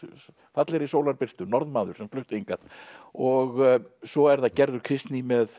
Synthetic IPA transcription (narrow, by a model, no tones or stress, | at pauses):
fat̪lɪɾisoːwlaɾpɪr̥t̪ʏnɔɾðmaːðʏɾ̥sɛmflʏht̪eŋkat̪ɔɣsɔɛɾθaðcɛɾðʏɾ̥kʰɾɪst̪nimɛð